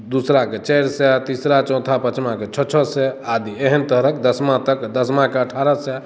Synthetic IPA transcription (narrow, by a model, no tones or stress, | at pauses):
d̪usɾaket͡ʃɛjɾsɛt̪isɾat͡ʃɔ̃t̪ʰapət͡ʃmãket͡ʃʰɔt͡ʃʰɔsɛad̪ieɦənt̪əɦɾəkd̪əsmãt̪əkd̪əsmãkeəʈʰaɾəsɛ